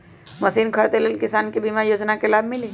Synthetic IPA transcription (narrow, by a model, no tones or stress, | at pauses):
mɐsiːnkʰəɾt̪elelkɪsaːnkebimajoːd͡ʒnakelaːbmɪliː